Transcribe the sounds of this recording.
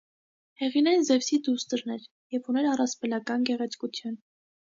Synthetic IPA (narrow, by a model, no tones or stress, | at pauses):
hɛʁinɛjnzɛvsid̪ust̪əɾnɛɾ | jɛvunɛɾɑrɑspɛlɑkɑnɡɛʁɛt͡sʰkut͡sʰjun